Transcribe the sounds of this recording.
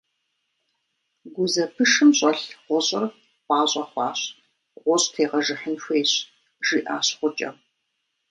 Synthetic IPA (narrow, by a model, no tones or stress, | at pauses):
ɡʷʊzɐpʰɨʂɨmɕʼɐɬʁʷɔɕʼɪr | wʷɑːɕʼɐχʷɑːɕ | ʁʷɔɕʼtʰeːʁɐʒɨħənxʷeːɕ | ʒ̥iːʔaːɕχʷʊt͡ʃʼɐ̰m